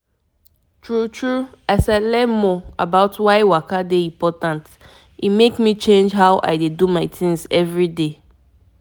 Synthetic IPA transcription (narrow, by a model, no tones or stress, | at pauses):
tʰɹutʰɹuaɪsɛlɛmɔa̰baʊtwaɪwakadeĩmpʰɔtãnt | imekmĩt͡ʃẽnd͡ʒɦaʊʔa̰ɪdedumaɪtʰĩŋzɛvɹide